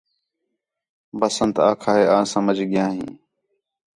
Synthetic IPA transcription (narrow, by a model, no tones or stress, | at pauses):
bəsənt̪aːkʰaːɦeːãːsəməd͡ʒʱɡɪjãːɦḭ̃ː